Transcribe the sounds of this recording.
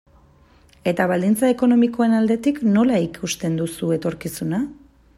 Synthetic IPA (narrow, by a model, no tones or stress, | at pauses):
e̞t̪aβald̪int͡sae̞ko̞no̞miko̞e̞nald̪e̞t̪ikno̞laikʰust̪e̞nd̪usue̞t̪o̞ɾkisuna